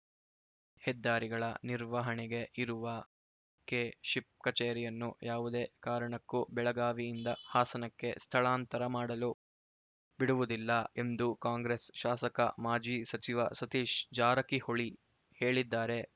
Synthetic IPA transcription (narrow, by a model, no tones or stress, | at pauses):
hɛd̪ːaːɾiɡɐɭɐ̰niɾʋɐɦɐɳɛɡe̞ʔiɾuʋɐ | keːʃip̚kɐt͡ʃeːɾijɐnːujʔaːʋud̪e̞ːkaːɾɐɳɐkːubɛɭɐɡaːʋiːnd̪ɐhaːsɐnɐkːe̞̰st̪ʰɐɭaːnt̪ɐɾɐmaːɽɐlu | biɽuʋud̪ilːɐe̞nd̪ukaːŋɡɾesʃaːsɐkɐ̰maːd͡ʒiːsɐt͡ʃiʋɐsɐt̪iːʃd͡ʒaːɾɐkihoɭi | he̞ːɭid̪ːaːɾe̞